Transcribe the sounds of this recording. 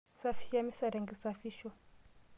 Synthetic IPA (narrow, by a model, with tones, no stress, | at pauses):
sa˦fi̥˦ʃa˦mi˦sa˨ɾɛ˨ŋɡi˨sa˨fi˦ʃɔ˦